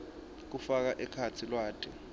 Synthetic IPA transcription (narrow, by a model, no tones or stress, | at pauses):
k̬ufak̬aʔɛkʰat͡sʰilwaːtʰʼɛ